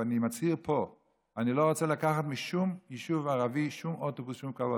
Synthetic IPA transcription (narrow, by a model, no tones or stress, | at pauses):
animat͡shiʁpʰo | aniloʁot͡selakaχat̪miʃumjiʃuvaʁaviʃumot̪obusʃumkavo